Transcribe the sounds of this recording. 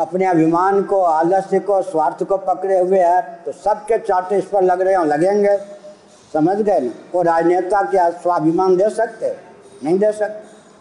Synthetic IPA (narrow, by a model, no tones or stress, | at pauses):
ɐpneɐbʱɪmaːnkoaːd̪əsikoswaːɾt̪ʰkopɐkɾeɦʊeɦɛt̪osɐb̚ket͡ʃaːʈ̪eɪspəɾlɐɡɾəɦẽɦõlɐɡẽːŋɡe | sɐməd͡ʒɡəeoɾaːd͡ʒnet̪akeswabʱɪmaːnd̪eːsɐk̚t̪e | nɐɦĩd̪eːsɐk̚t̪e